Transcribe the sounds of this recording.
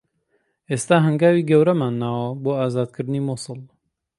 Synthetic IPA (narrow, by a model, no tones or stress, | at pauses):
ʔeːst̪aːɦɐŋɡaːwiːɡɐwɾɐmaːnːaːwɐboːaːzaːd̪̚kʰɨɾd̪ɨniːmosɨlˠ